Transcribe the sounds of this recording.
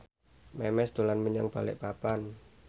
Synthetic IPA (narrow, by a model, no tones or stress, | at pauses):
mɛmɛsd̪̥olanməɲaŋb̥alɪ̰ʔpapan